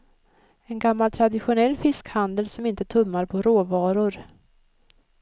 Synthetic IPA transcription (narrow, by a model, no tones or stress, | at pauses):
ɛnɡamːalt̪ʰɾad̪ɪɧʊnɛlːfɪskhand̪əlsɔmɪnt̪ət̪ʰɵmːaɾpʰɔɾoːvɑːɾʊɾ